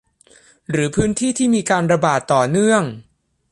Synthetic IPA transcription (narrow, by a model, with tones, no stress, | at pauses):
ɾɯː˩˦pʰɯː˦˥nt̪ʰiː˥˩t̪ʰiː˥˩miː˧kaː˧nɾa˧baː˨˩t̪ːɔː˨˩nɯ˥˩əŋ